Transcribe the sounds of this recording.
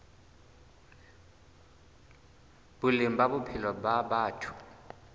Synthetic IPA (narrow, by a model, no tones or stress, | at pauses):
bulimbabupʰilɔbabaːtʰu̥